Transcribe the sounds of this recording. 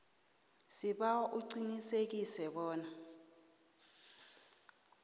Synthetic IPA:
siɓaʔuǀinisek̬isɛɓɔːna

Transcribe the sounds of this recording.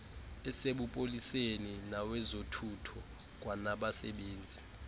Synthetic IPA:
ɛseɓupʼoliseninawɛzotʰutʰɔ | k̬wanaɓasɛ̰ɓeːnd͡zʱi

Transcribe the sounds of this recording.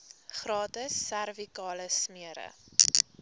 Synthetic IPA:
χrɑːtəsːærvikɑːləsmiəɾə̰

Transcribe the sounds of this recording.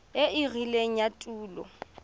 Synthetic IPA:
eɪɣileŋ̩jatʼuːlɔ̰

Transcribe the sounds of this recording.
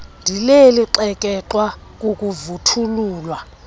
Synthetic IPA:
ndʱileliǃɛkʼɛǁwak̬ʼuk̬ʼuvutʰuluːlwa

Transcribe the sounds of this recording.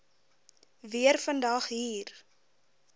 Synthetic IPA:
viərfəndɐχɦiːr

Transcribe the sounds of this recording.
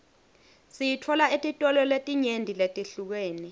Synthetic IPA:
sijitʰɔlaetʼitʼɔlɔletʼiɲendʱiletʼiɬuk̬weːni

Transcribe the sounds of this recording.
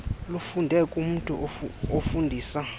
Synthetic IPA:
lufundʱɛkʼum̩tʼuofundʱiːsa

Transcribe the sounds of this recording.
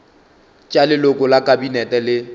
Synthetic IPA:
t͡ʃʼalɪlʊkʼʊlakʼabinɛtʼɛlɪ

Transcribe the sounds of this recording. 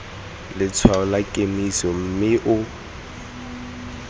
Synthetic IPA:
lɪt͡sʰwaɔlakʼemisɔm̩mɪʔʊ

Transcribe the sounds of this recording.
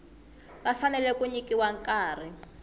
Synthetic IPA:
βafanɛlɛkuɲikiwaŋkaːr̤i

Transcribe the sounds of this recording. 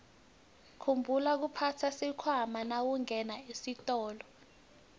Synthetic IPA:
kʰumbʱulak̬upʰatʰasikʰwamanawuŋɛnaisitʼɔːlɔ

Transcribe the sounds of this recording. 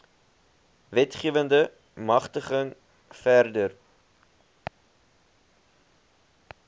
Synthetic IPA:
vɛtχiəvəndə | mɐχtəχəŋ | færdər

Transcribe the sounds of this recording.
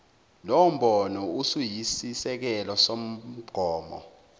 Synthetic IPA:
lom̩ɓɔnɔusujisisɛk̬ɛlɔsom̩ɡ͡ǃ̥ʱɔːmɔ̰

